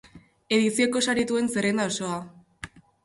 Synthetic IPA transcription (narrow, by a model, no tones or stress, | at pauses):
e̞ðisio̞ko̞saɾit̪ue̞nse̞ɾend̪ao̞so̞a